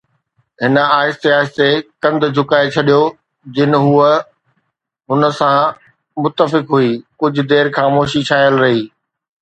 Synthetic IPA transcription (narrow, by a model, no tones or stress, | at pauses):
ɦɪnəaːɪst̪eaːɪst̪ekɐ̃nd̪d͡ʑʱʊkaːet͡ɕʰɐɗijo | d͡ʑɪnɦuːə | ɦʊnəsã | mʊt̪ːəfɪkɦuiːkʊd͡ʑʱʊ̆d̪eːɾxaːmoːʃit͡ɕʰaːjəlɾɐɦiː